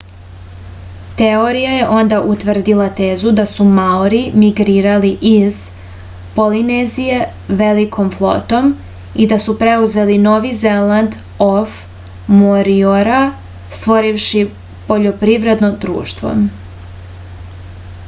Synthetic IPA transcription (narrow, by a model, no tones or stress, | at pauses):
t̪eoɾijaje̞ʔo̞nd̪aʔut̪ʋr̩d̪ilˠat̪e̞ːzud̪asumaoɾimiɡɾiːɾaliʔiz | po̞linezije̞ | ʋe̞likʰo̞mflˠo̞̰t̪o̞m | id̪asupɾe̞uze̞lino̞ʋize̞land̪ | of | moɾioɾa | st̪ʋo̞ɾiʋʃi | poʎo̞pɾivɾe̞d̪nod̪ɾṵːʃt̪ʋo̞̰